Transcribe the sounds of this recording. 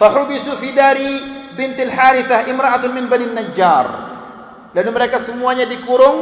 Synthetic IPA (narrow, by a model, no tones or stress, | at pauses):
faħubisufidaɾibɪnt̪alħaɾiθahʔɪmɾaʔat̪ʊmɪnbaninːad͡ʒar | danməɾekasəmuaɲadikuɾʊŋ